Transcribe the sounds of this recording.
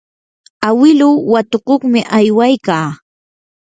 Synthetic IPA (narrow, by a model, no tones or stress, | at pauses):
awɪlʊwat̪oqoχmɪʔajwajkaː